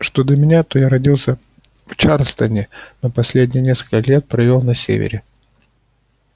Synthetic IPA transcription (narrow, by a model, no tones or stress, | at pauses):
ʂt̪od̪lʲəmʲɪnʲat̪ojaɾɐdʲilˠsʲə | ft͡ɕarst̪ənʲɪnopɐsʲlʲedʲnʲɪjənʲeskəlʲkəlʲet̪̚pɾɐvʲe̞lˠnɐsʲḛvʲɪ̰ɾʲɪ